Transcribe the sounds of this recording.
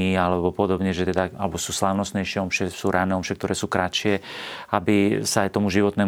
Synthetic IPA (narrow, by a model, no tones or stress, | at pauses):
iːalɛbɔpɔd̪ɔbɲɛʒɛt̪ɛd̪aalɛbɔsuːslaʊnɔst̪ɲɛjʃɪɛɔmʃɛsuːɾanɛːɔmʃɛkt̪ɔɾʔɛːsuːkɾat͡ʃʃɪɛabisaajt̪ɔmuʒiʋɔt̪nɛː